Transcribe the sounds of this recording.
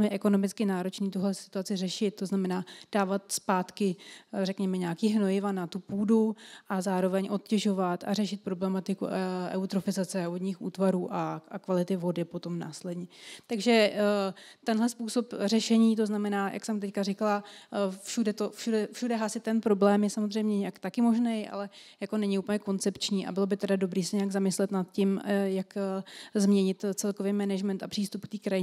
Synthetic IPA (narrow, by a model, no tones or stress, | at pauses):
mjɛʔɛko̞no̞mɪt͡skɪnaːɾo̞t͡ʃniːt̪uɦlɛsɪ̥t̪uat͡sɪrɛʃɪt̪̚t̪ːo̞znamɛnaːd̥aːvat̪spaːt̪kɪrɛkɲɛmɛɲaːkiːɦno̞jɪvanat̪upuːduʔazaːɾo̞vɛɲʔo̞t̪̚cɛʒo̞vat̪a̰rɛʃɪt̪̚pɾo̞blɛmat̪ɪkṵʔɛ̰wt̪ɾofɪzat͡sɛodɲiːxṵːt̪vaɾuːʔaakvalɪt̪ɪvo̞dɪpo̞t̪o̞mna̰ːslɛdɲɛt̪aɡʒɛ | t̪ɛnɦlɛspuːso̞pr̝ɛʃɛɲiːt̪̬o̞znamɛnaːjʔa̰ksɛmt̪ɛckarɪkalafʃudɛt̪o̞fʃudɛfʃudɛɦasɪt̪t̪ːɛnpɾo̞blɛːmjɛsamozr̝ɛjmɲɛɲɛjakt̪akɪmo̞ʒnejʔa̰lɛjako̞nɛɲɪuːplɲɛko̞nt͡sɛpt͡ʃɲiːʔa̰bɪlo̞bɪt̪ɛdado̞bɾiːsɛɲɛjaɡzamɪslɛt̪nat̪cɪmjakzmɲɛɲɪt̪t͡sɛlkovejmɛnɛʒmɛnt̪apr̝̥iːst̪upk̚t̪iːkɾajɪ